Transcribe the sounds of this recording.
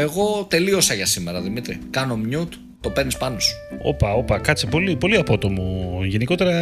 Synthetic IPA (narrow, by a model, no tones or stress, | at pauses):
e̞ɣo̞t̪e̞lio̞sɐʝɐsimeɾɐðimit̪ɾḭkɐno̞mɲut̪ | t̪o̞pe̞ɾnispɐno̞su̥o̞̰pɐo̞pɐkɐt͡sipo̞lipo̞liɐpo̞t̪o̞moʝe̞niko̞t̪e̞ɾɐ